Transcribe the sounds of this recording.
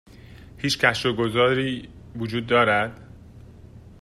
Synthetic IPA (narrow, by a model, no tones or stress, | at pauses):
hiːt͡ʃcʲʰæʃɾoɡo̞zɒːɾiː | vod͡ʒuːd̪ːɒːɾæd̪̥